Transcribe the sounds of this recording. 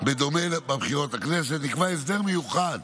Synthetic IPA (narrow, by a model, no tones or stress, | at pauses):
bed̪o̞melbebχiʁo̞t̪aknes̬et̪nikvaes̬d̪eʁmejuχad̪